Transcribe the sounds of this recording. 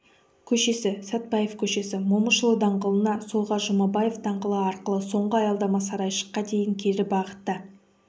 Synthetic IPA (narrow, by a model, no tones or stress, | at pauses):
kʲʰɵʃe̞sɪsæt̪̚bɑje̞fkʲʰɵʃe̞sɪmoməʃəlˠəd̪ɑɴʁəlˠənɑsoʁɑʒʊmɑbɑje̞fd̪ɑɴʁəlˠəɑɾqəlˠəso̞ɴɢəɑjɑlˠd̪ɑmɑsɑɾɑjʃə̥qːɑd̪e̞jɪŋkʲʰe̞ɾɪbɑʁət̪ːə